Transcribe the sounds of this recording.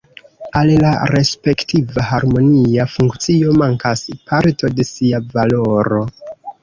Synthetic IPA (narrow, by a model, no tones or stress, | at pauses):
allaɾe̞spe̞ktʰivaɦaɾmo̞niafuŋkt͡sio̞maŋkaspʰaɾto̞de̞siavalo̞ɾo̞